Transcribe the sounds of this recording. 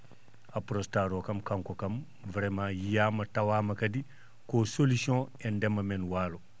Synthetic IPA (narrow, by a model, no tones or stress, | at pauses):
apɾostaːɾoːkɐmkaŋkokɐm | vɾemãːjijaːmɐtawaːmɐkɐdi | kosolisiõ | ɛndemɐmenwaːlo